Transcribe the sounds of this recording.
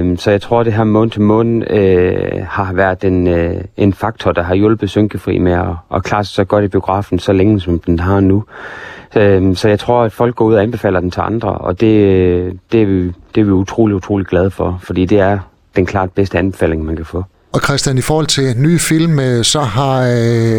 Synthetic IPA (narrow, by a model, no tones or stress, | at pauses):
msɒ̽jɑ̈ɪt͡sʰʁo̝ɐ̰d̥e̝ɦæɐ̰mɔ̽ːn̩t͡sʰemɔ̰̽ːnn̩øhɑ̈ʋæɐ̰ð̥ˠe̝ne̝nfɑ̈ɡ̥t͡sʰɒd̥ɑ̈ɦɑ̈jɔ̽lb̥ð̞̩ˠsøŋɡ̥əfʁḭːmeɒʔɒ̽kʰlɑ̈ːssɒ̽ɡ̥ɒɐd̥ib̥io̝ɡ̥ʁɑ̰̈ːfn̩sɒ̽leŋəsɒ̽md̥enɦɑ̈nu | øsɒ̽jɑɪt͡sʰʁo̝ɐ̰æd̥fɒ̽l̰ɡ̥ɒ̰ːuð̰ˠɒænb̥e̝fɛ̰ːl̰ɐd̥ent͡sʰe̝lɑ̈nd̥ʁɐ̰ʔɒ̽d̥e̝ | d̥e̝æʋid̥e̝æɐʋiut͡sʰʁo̝̰ːliut͡sʰʁo̝̰ːliɡ̥lɛð̞ˠfɒ̽fɒ̽d̥ḭːd̥e̝æɐ | d̥enkʰlɑ̰̈ːd̥̚b̥esd̥əænb̥e̝fɛ̰ːle̝ŋmænkʰæfɔ̰̽ː | ɒ̽kʰʁɛsd̥jænifɒːhɒ̽l̰t͡sʰe̝nyːfil̰msɒ̽ɦɑ̈